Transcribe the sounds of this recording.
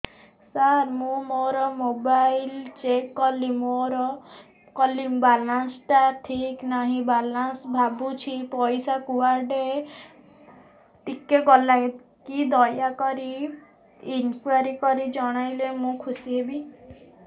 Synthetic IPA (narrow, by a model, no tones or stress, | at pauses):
saɾmũmoɾɔmobajlt͡ʃekːɔlimoɾɔ | kɔlibalansʈaʈʰiknaɦĩbalansbʱabut͡ʃʰipɔjsakuwaɾɖe | ʈikeɡɔlaj̪ | kid̪ɔjakɔɾi | inkuaɾikɔɾid͡ʒɔɽ̃ajlemũkʰusiɦebi